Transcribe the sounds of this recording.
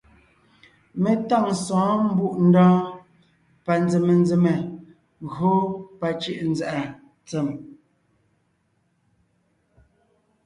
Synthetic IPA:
me˨ta˦˨ŋsɔ̃ː˨˦m̩˦bu˦˨ʔn̩˦dɔː˦ | pa˨nd͡ze˨me˨n˦d͡ze˨me˨ | ɣo˦pa˦t͡ʃi˦ʔn̩˦d͡zɛ˨ʔa˨ | t͡sɛ˨m

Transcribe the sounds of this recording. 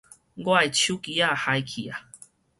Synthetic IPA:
ɡwa˥˧jt͡ɕʰju˦ki˨˦a˥˧ha˧jkʰḭ˨a˨

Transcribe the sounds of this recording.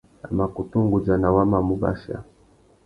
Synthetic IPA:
a˨ma˨ku˨tu˦ŋɡu˨d͡ʒa˨na˨wa˦ma˨mu˦ba̰˦ʃa̰˨

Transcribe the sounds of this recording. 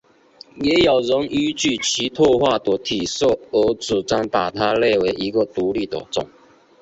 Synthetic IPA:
jɛ˧˦ja˨˩ʊɻə˧˦ŋy˥t͡ɕy˥˩t͡ɕʰi˧˥t̪ʰwɔ˥˧xwa˥˨t̪ɔ˧˨˥t̪ʰi˨˩so˥˩ə˧˥t͡sɹu˨˩t͡sa˥˩ŋpa˨˩t̪ʰa˥le˥˧ɪwe˧˥ɪʔi˧˥ɡə˨t̪u˧˥˦li˥˩t̪ə̰˨˩t͡sʊ̰˨˩˦ŋ

